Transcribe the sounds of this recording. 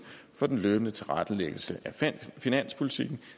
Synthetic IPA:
fɒ̽d̥enløːb̥ənət͡sʰe̝lʁɑd̥əleɡ̥l̩səʔæfinæn̰spʰo̝lit͡sʰiɡ̥n̩

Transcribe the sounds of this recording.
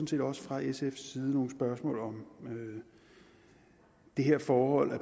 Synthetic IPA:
nse̝̰ːd̥ɒ̽sə̥fʁɑ̈esefsiːð̞ˠəno̝ːŋ̩sb̥ɶɐsmɔ̰̽ːlɒ̽mø | d̥e̝ɦe̝ɐ̰fɒːhɒ̽l̰æ

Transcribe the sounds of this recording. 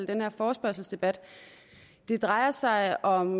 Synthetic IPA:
l̰d̥enheɐfɒːsb̥ɶɐ̰sl̩sd̥e̝b̥æd̥ | d̥e̝d̥ʁɑ̈ɪɐsɑ̈ɪɒ̽m

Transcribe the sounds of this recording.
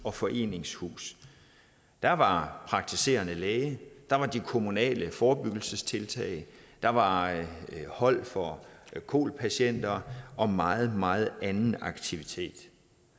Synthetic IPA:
ɒ̽fɒ̽ʔe̝̰ːne̝ŋshṵːs | d̥æʋɑ̈pʰʁɑ̈ɡ̥̚t͡sʰise̝̰ːɐnəleːɪəd̥ɑ̈ʋɑ̈d̥ikʰo̝munɛ̰ːləfɒːb̥yɡ̥l̩səst͡sʰe̝lt͡sʰɛ̰ːɪd̥ɑ̈ʋɑ̈ | hɒ̽l̰fɒkʰo̝̰ːlpʰæɕen̰d̥ɐʔɒ̽mɑ̈ːð̞̩ˠmɑ̈ːð̩ˠænn̩ɑ̈ɡ̥t͡sʰiʋit͡sʰe̝̰ːd̥

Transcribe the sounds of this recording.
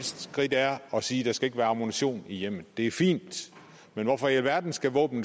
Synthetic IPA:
sd̥ɡ̥ʁid̥æɐɒ̽siːd̥ɑ̈sɡ̥æe̝ɡ̥əʋæːɐɑ̈mo̝niɕo̝̰ːnijem̰əð̩ˠd̥e̝æɐfḭːnd̥ | menʋɒfɒʋæɐd̥n̩sɡ̥æʋɔ̰ːb̥n̩

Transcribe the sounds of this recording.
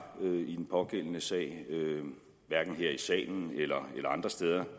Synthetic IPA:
øid̥enpʰɒ̽ɡ̥en̰ənəsɛ̰ːɪ̰ø | ʋæɐɡ̥n̩ɦeɐ̰isɛ̰ːɪn̩elɐelɐɑ̈nd̥ʁɐsd̥eːð̞ˠɐ

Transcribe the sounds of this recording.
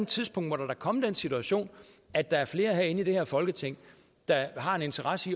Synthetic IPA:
nt͡sʰiðˠspʰɔ̽ŋ̰d̥ʋɒɾ̥ɑ̈dɑ̈kʰɒ̽m̰əd̥ensit͡sʰuæɕo̝̰ːnæd̥ːɑ̈æɐfle̝ːɐɦeɐe̝nid̥e̝heɐ̰fɒ̽lɡ̥ət͡sʰeŋ̰ | d̥ɑ̈ɦɑ̈e̝ne̝nt͡sʰɐʁɑ̈səi

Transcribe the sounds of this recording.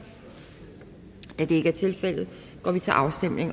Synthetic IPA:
æd̥ee̝ɡ̥əæɐt͡sʰe̝lfel̰ð̩ˠ | ɡ̥ɒ̰ːʋit͡sʰe̝lʔɑ̈ʊsd̥em̰le̝ŋ

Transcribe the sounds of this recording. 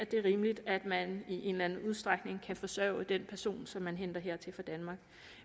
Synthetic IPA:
æd̥e̝æɐʁiːməlid̥æd̥mæniʔe̝ːnlænəuð̞ˠsd̥ʁaɡ̥ne̝ŋkʰæfɒ̽sœʊ̰əd̥enpʰæɐso̝̰ːnsɒ̽mːænɦend̥ɐɦeɐ̰t͡sʰe̝fɒd̥ænmɑ̈ːɡ̥

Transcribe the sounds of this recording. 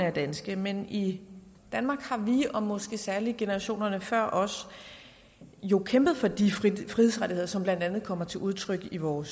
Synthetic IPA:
əæɐd̥ænsɡ̥əmenid̥ænmɑ̈ːɡ̥hɑ̈ʋiɒ̽mɒ̽sɡ̥e̝sæɐliɡ̥e̝nəʁɑ̈ɕo̝̰ːnɐnəfɶɐ̰ʔɒ̽s | jo̝kʰemb̥ð̩ˠfɒ̽d̥ifʁihesʁaɾ̥ihe̝ð̰ˠɐsɒ̽mb̥lænd̥ænð̩ˠkʰɒ̽m̰ɐt͡sʰe̝lʔuð̞ˠt͡sʰʁœɡ̥iʋɒːs

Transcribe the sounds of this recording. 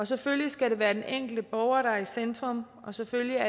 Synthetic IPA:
ɒ̽seføljisɡ̥æɾe̝ʋæːɐd̥enʔeŋ̰ɡ̥l̩d̥əb̥ɒʊɐɾɑ̈isend̥ʁɔ̽m | ɒ̽seføljiæ

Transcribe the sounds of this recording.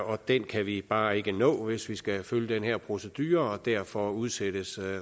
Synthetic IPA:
ɒ̽d̥enkʰæʋib̥ɑ̈ːe̝ɡ̥ənɔ̰̽ːʋe̝sʋisɡ̥æføljəd̥enhæɐ̰pʰʁo̝səd̥y̰ːɐɒd̥æɐ̰fɒuð̞ˠsed̥əs

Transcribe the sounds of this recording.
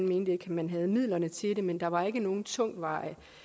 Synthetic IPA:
nme̝ːnd̥əeɡʰmænɦæð̞̩ˠmið̞̰ˠlɐnət͡sʰe̝ɾe̝mend̥ɑ̈ʋɑ̈e̝ɡ̥əno̝ːn̩t͡sʰɔŋ̰̥ʋɑ̈ɪ̰ə

